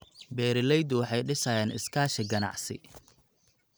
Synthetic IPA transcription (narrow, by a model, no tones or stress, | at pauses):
bɛːɾɪlɛjd̪ʊwɑħɑjɖɪsajɛːnɪ̰skʰaːʃɪɡɐnɑ̰ʕsɪ̰